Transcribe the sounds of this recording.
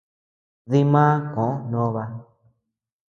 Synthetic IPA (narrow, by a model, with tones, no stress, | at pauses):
ði˧mãː˦kõ˨ʔo˦nõ˦˧βa˧